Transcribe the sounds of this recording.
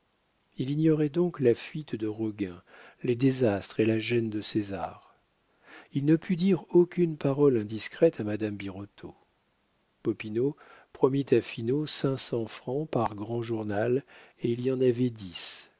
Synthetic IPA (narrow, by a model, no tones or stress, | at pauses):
iliɲjɔʁɛd̪ɔ̃klafɥit̪d̪əʁɔɡʲɛ̃led̪ezast̪χelaʒɛnd̪əseza̰ːʁ | ilnəpʰyd̪iʁokʲynpaʁɔlɛ̃d̪iskχɛt̪amad̪ambiʁɔt̪ʰo̰ | pɔpinopχɔmit̪afinosɛ̃sɑ̃fχɑ̃paʁɡʁɑ̃ʒuʁnaleilijɑ̃navɛd̪is